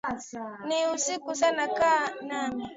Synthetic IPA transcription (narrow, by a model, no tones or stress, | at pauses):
niusikusanakanami